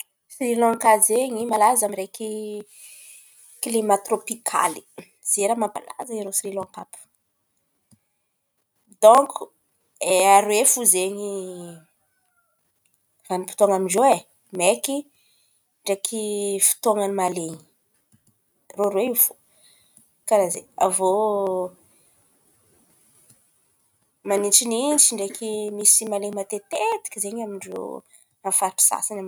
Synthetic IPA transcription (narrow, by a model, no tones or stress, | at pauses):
sirilɔ̃ŋkazeɲimalazamiɾeki | kilimat̪ropikʰa̰li̥ | z̥eɾamamba̰la̰zaiɾosirilɔ̃ŋkapu̥ | d̪ɔ̃kʰu̥ | eaɾwefuzeɲi | vanipi̥t̪oaŋaminzoe | meki | ɳɖ͡ʐekʰifi̥t̪oŋanimaleɲi | roɾweifu̥ | kaɾazḛavo | manit͡ʃinint͡siɳɖ͡ʐekimisimaleɲimat̪et̪et̪i̥kʲizeɲamiɳɖ͡ʐo̰ | anfaɾʈ͡ʂi̥sa̰sinam